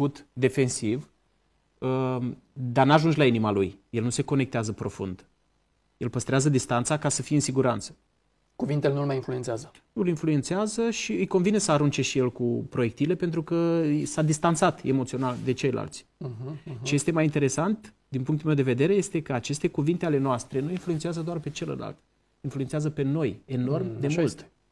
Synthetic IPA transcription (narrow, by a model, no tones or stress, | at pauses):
ut̪d̪e̞fe̞nsiv | ə | d̪arnaʒund͡ʒlainimalujje̞lnuse̞ko̞ne̞k̚t̪eazəpɾo̞fṵnd̪ | je̞lpəst̪ɾeazəd̪ist̪ant̪sakasəfijeɨnsiɡuɾant̪sə̥ | kuvint̪elenulmajinflue̞nt̪seazə | nuɨlinfluent̪seazəʃiɨjko̞nvinesəaɾunt͡ʃe̞ʃije̞lkupɾo̞je̞k̚t̪ile̞pe̞nt̪ɾukəsad̪ist̪ant̪sat̪e̞mot̪sio̞nald̪e̞t͡ʃe̞jlʔa̰lt̪s̩ʲ | t͡ʃeje̞st̪e̞majint̪e̞ɾe̞sant̪ | d̪inpuŋkt̪ulmewd̪e̞ve̞d̪e̞ɾe̞je̞st̪e̞kəat͡ʃe̞st̪e̞kuvint̪eale̞noast̪ɾe̞nuinfluent̪seazəd̪oarpe̞t͡ʃe̞lə̰la̰lt̪ | influent̪seazəpe̞no̞je̞no̞rmd̪e̞mult̪